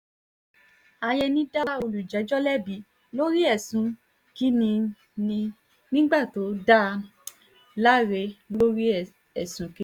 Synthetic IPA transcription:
a˧jɛ˧nĩ˦da˦o˧lu˨d͡ʒɛ˨˦d͡ʒɔ˦lɛ˦bi˨˦ | lo˦ɾi˦ɛ˦˨sũ˨˦ | ki˦nĩ˧ | nĩ˧ | nĩ˦ɡ͡ba˦˨to˨˦da˦˧ | la˦ɾe˧lo˦ɾi˦˨ | ɛ˨sũ˨ki˦

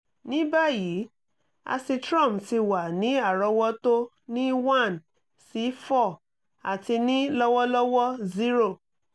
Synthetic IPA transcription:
nĩ˨˦ba˦˨ji˨˦ | a̰˧si˧tɾɔ̃˦˨mti˧wa˨nĩ˨˦a˦˨ɾɔ˧wɔ˦to˦ | nĩ˦wã˦˨n | si˨˧˦fɔ˦˨ | a˨ti˧nĩ˦lɔ˦wɔ˦lɔ˦wɔ˦zi˦ɾo˦˨

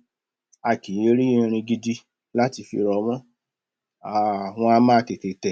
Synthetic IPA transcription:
a˨ki˨o˧ɾĩ˦ĩ˧ɾ̃ĩ˧ɡi˧di˦ | la˦ti˧fḭ˧ɾɔ˧˦mɔ̃˦ | a˨w̃ɔ̃˧a˧mãː˦˧te˨te˨tɛ˨

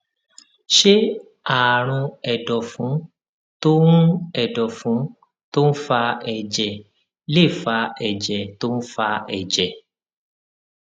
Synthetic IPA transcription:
ʃe˦ | a˨ɾ̃ũ˧ɛ˨dɔ˨fũ˨˦ | to˦ɾ̃ũ˦ɛ˨dɔ˨fũ˨˦ | to˦n̩˦fa˧ɛ˨d͡ʒɛ˨ | le˦˨fa˧ɛ˨d͡ʒɛ˨to˦ñ̩˦fa˧ɛ˨d͡ʒɛ˨

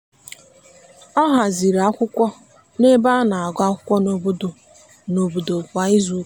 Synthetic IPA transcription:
ɔ˦ɦa˨zi˨ɾa˦kʷʊ˦kʷɔ˦ | ne˦ba˦na˨a˨ɡa˦kʷʊ̥˦kʷɔ˦no˨bo˦do˨ | no˨bo˨do˨kʷa˨ɪ˦zu˦

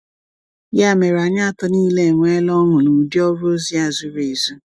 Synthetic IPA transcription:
ja˦˨me˨ɾa˨ɲa˦a˦tɔ˦niː˦le˦˨ŋʷe˦lɔ˦ŋʷʊ˨nu˨di˦ɔ˦ɾo˦zi˦a˨zu˦ɾe˨zu˦

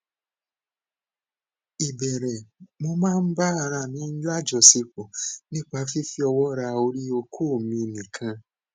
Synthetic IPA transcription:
i˨bɛ˨ɾɛ˨mo˧mãː˦˧n̩˦ba˦a˧ɾa˧˨nĩ˨˦n̩˦la˦˨d͡ʒɔ˨si˧po˨nĩ˦k͡pa˧˦fi˦fi˦ɔ˧wɔ˦ɾa˧o˧ɾi˦o˧kʰoː˦˨mĩ˧nĩ˨kʰã˧

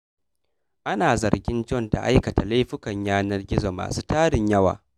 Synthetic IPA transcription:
ʔa˦naː˨zɐ˨rɡʲɪ˦nd͡ʒɔ˦˨nta̰˨ʔa˦jkɐ˨ta˨la˦jɸɪ˦kɐ˨ɲjaː˦nɐ˦rɡʲɪ˦zo˨ma̰ː˨suː˦taː˦ɽɪ˨ɲjɐ˦wa̰ː˨

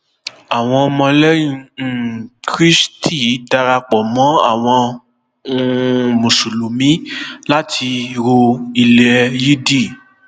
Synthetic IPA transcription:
a˨w̃ɔ̃˧ɔ˧mɔ̃˧lɛ˦jĩ˧˨ | kɾi˦stʰi˦˨ji˨˦da˧ɾa˧k͡pɔ˨mɔ̃˨˦a̰˦˨w̃ɔ̃˧ | ũ˧mũ˨su˨lu˨mĩ˨˦la˦tʰi˧ɾo˧i˧lɛ˧ji˦di˦˨

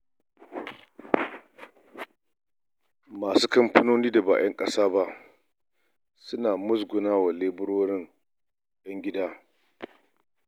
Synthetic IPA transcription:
maː˨suː˦kɐ˦mpɐ˦noː˦niː˦da˨ba̰ː˨j̰ɐ˦ŋkʼɐ˦saː˦ba˦ʔ | sʊ˦naː˨mʊ˦s̬ɡʷʊ˨naː˦wa˨leː˦bʊ˦ɽoː˦ɽɪ˦ŋ | jɐ˦ŋɡʲɪ˦daː˦

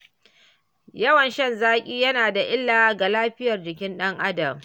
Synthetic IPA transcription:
jɐ˦wɐ˨nʃɐ˦˨nzaː˦kʲʼiː˦jɐ˦naː˨da˨ʔɪ˦lːaː˨˦ɡa˨laː˦ɸɪ˦jɐ˨rd͡ʒɪ˨kʲɪ˦nɗɐ˦ŋʔa˦dɐ˨m

